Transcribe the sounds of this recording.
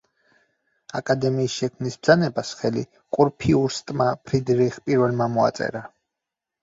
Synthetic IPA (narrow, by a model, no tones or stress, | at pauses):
akʼad̪ɛmiːsʃɛkʰmnisb̚dzanɛbasχɛlḭ | qʼuɾpʰiuɾst̪ʼmapʰɾid̪ɾiχpʼiɾvɛlmamɔa̰t̪sʼɛ̰ɾa